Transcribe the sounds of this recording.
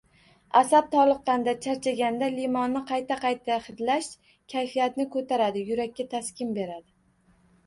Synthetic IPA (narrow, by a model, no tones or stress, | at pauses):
asab̚t̪ʰɒlˠɨqːɑnd̪at͡ʃʰaɾt͡ʃʰaɡʲand̪alimɒnːɪqʰɑjt̪ʰaqʰɑjt̪ʰahɪd̪laʃ | kʲʰajfijat̪nɪkʰɵt̪ʰaɾad̪ɪjʊɾakʲːat̪ʰaskʲɪmbe̞ɾad̪ɪ